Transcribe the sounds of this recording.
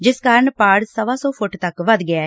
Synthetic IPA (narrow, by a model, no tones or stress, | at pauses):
d͡ʒɪskaːɾəɳpaːɽsəʋaːsɔːpʰʊʈt̪ɐkʋəd̪ɡɪaː